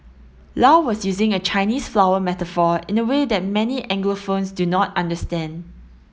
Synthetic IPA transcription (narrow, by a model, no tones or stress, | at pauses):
lawɔsjuzɪ̃ŋət͡ʃʰaɪniːsflawəmɛtəfɔɪ̃nəwedɛt̚mɛniʔɛ̃ŋɡləfõnsdunɔtãndəstɛ̃nd